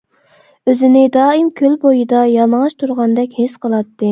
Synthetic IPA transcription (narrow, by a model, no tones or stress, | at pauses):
øzɪnɪd̪ɑːimkʲʰølbojɨd̪ɑjɑlˠŋɑʃt̪ʰuɾʁɑnd̪ɛkʲhesqʰəlˠɑt̪ːɨ